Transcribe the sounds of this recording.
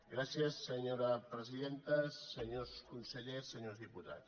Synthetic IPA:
ɡɾasiəsːəɲoɾəpɾəziðent̪əsəɲoskunsəʎesːəɲozðiput̪a̰

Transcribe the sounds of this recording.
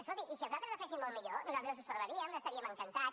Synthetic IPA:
əʃot̪iʔisinuzalˠt̪ɾəzəfɛʃ̬imːolˠmiʎonuzalˠt̪ɾəzusəɾβəɾiəməst̪ɐɾiəməŋkɐnt̪a

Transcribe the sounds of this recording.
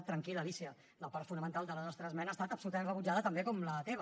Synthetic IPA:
t̪ːɾəŋkiləlisiə | ləpaɾt̪funəmənt̪alˠd̪ələnɔst̪ɾəzmɛnaːst̪at̪əpsulut̪əmẽnrəβud͡ʒaðət̪əmbekɔmlət̪eβə

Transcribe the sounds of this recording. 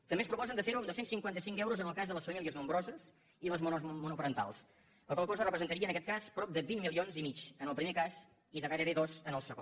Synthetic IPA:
t̪əmbeəspɾupɔzənd̪əfeɾuəmd̪osensiŋkwant̪əsiŋkɛwɾuzənəlˠkazðələsfəmiliəznumbɾɔzəs | iðləzmumunupəɾənt̪a̰lˠs | əlˠkolˠkozərəpɾəzənt̪əɾiəːnəkɛt̪̚kaspɾɔp̚d̪əβinmːilˠionzimit͡ʃənəlˠpɾimekaz | iðəraɾəβeðozənəlˠsəɣo

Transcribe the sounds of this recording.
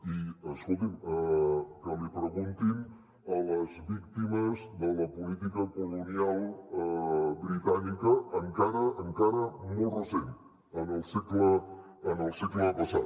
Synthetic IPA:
iəskolˠt̪iməkəlipɾəɣunt̪im | ələzβik̚t̪iməzd̪ələpulit̪̬ikəkulunialˠ | bɾit̪anikəːŋkaɾəʔəŋkaɾəmolˠrəsen | ənəlˠsikləː | nəlˠsekləpəsat̪̚

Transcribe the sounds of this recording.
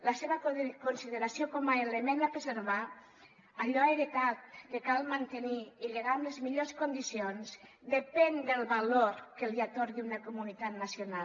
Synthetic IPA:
laseβəkonsiðeɾasiokɔmaelemẽnd̪apɾezeɾβa | aʎɔaeɾet̪at̪̚kekalˠmant̪eniːʎeɣamlezmiʎoskond̪isionzd̪epɛnd̪əlˠβaloɾkeliat̪oɾðunakomunit̪at̪nasiona

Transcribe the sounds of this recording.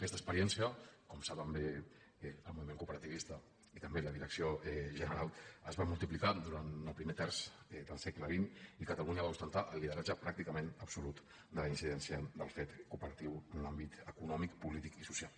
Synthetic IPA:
kɛst̪əspəɾiɛnsiəkɔmsaβəmbe | əlˠmuβimẽŋkupəɾət̪iβist̪ə | it̪əmbeləðiɾəksioɛʒənəɾalˠəzβamulˠt̪iplikad̪uɾanəlˠpɾimet̪ɛrz̥ɛd̪əlˠsɛkləβ̞inikət̪əluɲəβaust̪ənt̪aʔəlːiðəɾad͡ʒəpɾak̚t̪ikəmenəbsulut̪ | d̪ələinsiðɛnsiəd̪əlˠfet̪kupəɾət̪iwənlambit̪əkunɔmikpulit̪ikisusialˠ

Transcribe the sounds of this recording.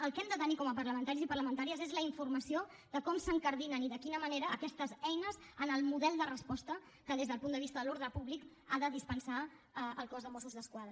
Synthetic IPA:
əlˠkɛmd̪ət̪ənikɔməpərləmənt̪aɾizipərləmənt̪aɾiəzezləiɱfurməsio | ðəkɔmsəŋkəɾðinəniðəkinəməneɾəːkɛst̪əzɛjnəzənəlˠmuðɛlˠd̪ərəspɔst̪ə | kəðezðəlˠpund̪əβist̪əðəloɾðɾəpuβlik | aðəðispənsa | əəlˠkɔzðəmɔsuzðəskwaðɾə

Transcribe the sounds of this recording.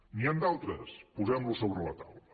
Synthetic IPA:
niand̪alˠt̪ɾəspuzɛmlusoβɾələt̪awlə

